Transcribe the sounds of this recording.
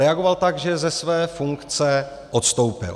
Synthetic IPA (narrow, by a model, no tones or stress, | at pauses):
ɛaɡovalt̪aɡʒɛzɛsvɛːfuŋkt͡sɛ | ʔot̪st̪owpɪ̰l